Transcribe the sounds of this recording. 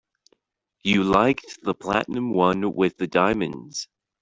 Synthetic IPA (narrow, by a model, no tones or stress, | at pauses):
jɨlaɪk̚ðəpʰl̥æ̰ʔn̩ɨ̃mwʌ̃nwɪðɨdãɪ̃mɨ̃nz̥